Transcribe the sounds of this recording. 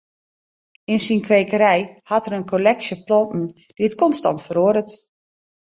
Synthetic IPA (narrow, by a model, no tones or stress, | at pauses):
ɪnsinkʋeːkəɾɛjhɑtəɾənkʰolɛksjəplɔntn̩ | d̥iətkɔnstɑ̰ntfəɾoəɾət